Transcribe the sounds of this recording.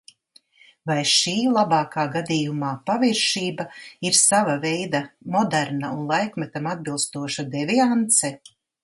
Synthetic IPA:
vajʃiːlˠabɑːkaːɡad̪ijumaːpaviɾʃiːbaiɾsavavɛjd̪amɔd̪æɾnaunlˠajkmɛt̪amad̪̚bilˠst̪uɔʃad̪ɛviant̪sɛ

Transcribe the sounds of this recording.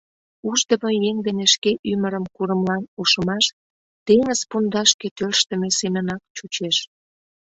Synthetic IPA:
uʒd̪əməjeŋd̪eneʃkeʔyməɾəmkuɾəmlɑnuʃəmɑʃ | t̪eŋəzpund̪ɑʃket̪ølʃt̪əmesemənɑkt͡ɕut͡ɕeʃ

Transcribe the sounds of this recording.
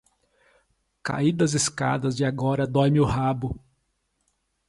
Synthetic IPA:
ka̰id̪ɐzɪska̰d̪ɐzd͡ʒɪaɡɔɾɐd̪ɔjmɪʊhabʊ

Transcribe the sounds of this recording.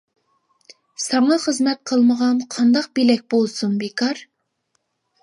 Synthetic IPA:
sɑŋɑχəzmɛt̪̚qʰəlˠməʁɑnqʰɑnd̪ɑq̚belɛk̚ʲbolˠsumbekʰɑɾ

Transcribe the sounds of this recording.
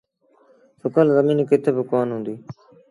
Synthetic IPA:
sʊkəlzəmiːnkɪt̪ʰebɪkoːnɦʊ̃ːnd̪iː

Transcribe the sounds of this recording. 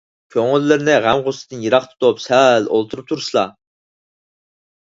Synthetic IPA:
kʲʰøŋɪlːɪɾɪnɪʁæmʁosɨd̪ɨnjeɾɑχt̪ʰu̥t̪upsɛlo̰lˠt̪ʰuɾup̚t̪ʰuɾsɨlˠɑ

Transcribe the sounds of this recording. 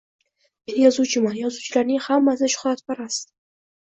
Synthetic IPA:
ejɒzut͡ʃʰɪmajɒzut͡ʃʰɪlaɾnɪŋhamːasɪʃʊ̥χat̪paɾas

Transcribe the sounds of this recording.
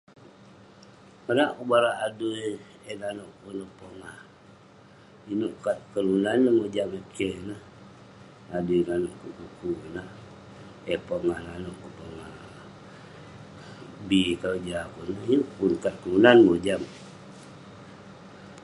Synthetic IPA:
kanaʔkubaɾaʔːduj | enanoʔkunohpoŋa | inuʔkat̪̚kəɾunanːəhmod͡ʒamekʰenah | adunanoʔkukukunah | epoŋananoʔkupoŋa | bikad͡ʒapunohinuʔpunkat̪̚kəɾunanmod͡ʒam

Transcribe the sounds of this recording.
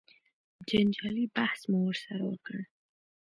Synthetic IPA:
d͡ʒand͡ʒɑlibahsmuwəɾsaɾa̰wə̰kəɳ

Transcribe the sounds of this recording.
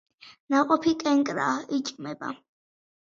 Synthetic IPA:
naqʼɔpʰikʼɛŋkʼɾa̰ːit͡ʃʼkʼmɛba̰

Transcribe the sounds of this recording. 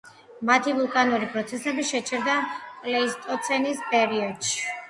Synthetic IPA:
mat̪ʰivulˠkʼanuɾipʼɾɔt̪sʰɛsɛbiʃɛt͡ʃʰɛɾd̪akʼlɛist̪ʼɔt̪sʰɛnispʼɛɾiɔd̪̥ʃi̥

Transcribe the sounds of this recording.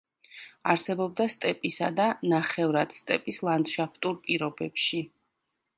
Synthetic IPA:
aɾsɛbɔb̚d̪ast̪ʼɛpʼisad̪anaχɛvɾad̪̥st̪ʼɛpʼislˠand̪ʃapt̪ʼuɾpʼiɾɔbɛpʃi

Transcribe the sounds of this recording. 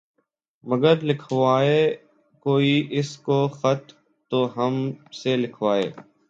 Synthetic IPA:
məɡəɾlɪkʰʋaːeː | koːiːʔɪskoːxət̪ː | oːɦəmselɪkʰʋaːḛː

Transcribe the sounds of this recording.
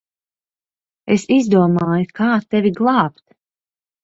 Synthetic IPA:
esizd̪uɔmaːjukʰaːt̪ɛvʲiɡlˠɑːpt̪

